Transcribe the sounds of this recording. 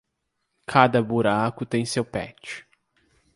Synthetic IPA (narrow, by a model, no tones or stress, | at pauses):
kʰad̪ɐbuɾakʊt̪ẽj̃sewpɛ̰t͡ʃɪ̥